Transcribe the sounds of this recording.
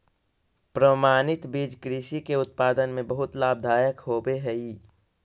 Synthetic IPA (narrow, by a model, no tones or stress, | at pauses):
pɾəmaːnɪt̪bid͡ʒkɾiʃikeʊt̪̚paːd̪ənmẽbəɦʊt̪laːb̚d̪ʱaːjəkɦoːbeɦɛi